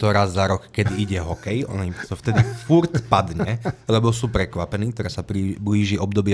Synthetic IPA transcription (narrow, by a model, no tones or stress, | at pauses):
t̪ɔɾazːaɾɔkkɛd̪iiɟɛɦɔkɛjɔ̰nit̪ɔft̪ɛd̪ifuɾtpad̪ɲɛlɛbɔsuːpɾɛkʋapɛniːk̚t̪ɔɾaːsapɾibliːʒiɔbd̪ɔbɪɛ